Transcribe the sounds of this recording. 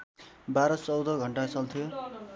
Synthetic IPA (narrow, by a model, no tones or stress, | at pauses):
baɾʌt͡sʌwd̪ʌɡʱʌɳʈat͡sʌlt̪ʰijo